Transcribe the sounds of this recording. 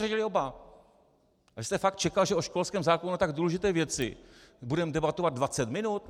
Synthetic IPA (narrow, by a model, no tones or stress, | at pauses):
rɛɟɪlɪo̞ba | vɪst̪ɛfak̚t̪̚t͡ʃɛkalʒɛʔoʃko̞lskɛːmzaːkonunut̪aɡduːlɛʒɪt̪ɛːvjɛt͡sɪ̰budɛmdɛbat̪o̞vad̪dvat͡sɛt̪mɪnut̪